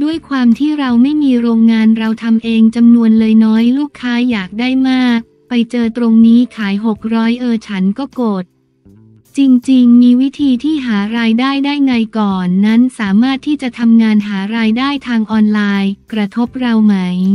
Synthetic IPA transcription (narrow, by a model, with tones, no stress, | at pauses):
du˥˩əjkʰwaː˧mt̪ʰiː˥˩ɾa˧wma˥˩jmiː˧ɾoː˧ŋːaː˧nɾa˧wt̪ʰa˧mʔeː˧ŋt͡ɕa˧mnu˧ənlɤː˧jnɔː˦˥jluː˥˩kʰːaː˦˥jaː˨˩k̚daː˥˩jmaː˥˩k̚ | pa˧jt͡ɕɤː˧t̪ɾo˧ŋniː˦˥kʰaː˩˦jɦo˨˩k̚ɾɔː˦˥jʔɤː˧t͡ɕʰa˦˥nkɔː˥˩koː˨˩t̪̚ | t͡ɕi˧ŋt͡ɕi˧ŋmiː˧wi˦˥t̪ʰiː˧t̪ʰiː˥˩ɦaː˩˦ɾaː˧jdaː˥˩jdaː˥˩jŋa˧jkɔː˨˩nːa˦˥nsaː˩˦maː˥˩t̪ʰːiː˥˩t͡ɕa˨˩t̪ʰa˧mŋaː˧nɦaː˩˦ɾaː˧jdaː˥˩jt̪ʰaː˧ŋʔɔː˧nlaː˧jkɾa˧t̪ʰo˦˥p̚ɾa˧wma˦˥j